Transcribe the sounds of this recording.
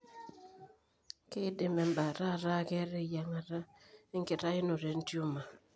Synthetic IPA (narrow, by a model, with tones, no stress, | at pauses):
ke˦dɪ˨mɛ˨mba˨ɾa˦˨ɾa˦˨kɛ˦ɾe˦˨ja˨ŋa˨ɾa˦e˦ŋkɪ˨ɾa˦ɪ˦no˨ɾe˨˦n˦tjo˦ma˨